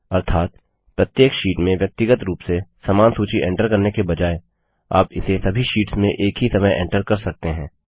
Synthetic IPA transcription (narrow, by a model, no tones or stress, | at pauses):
ɐɾt̪ʰaːt̪ | pɾət̪jeːkʃiːʈmẽʋjɐk̚t̪ɪɡət̪ɾuːpsesaːmaːnsuːt͡ʃiʔɛ̰̃ːɳʈəɾkɐɾnekebɐd͡ʒaːe | a̰ːpɪsesɐbʱiʃiːʈsmẽʔeːkɦisɐməjʔɛ̰̃ːɳʈəɾkɐɾsɐk̚t̪eɦɛ̃ː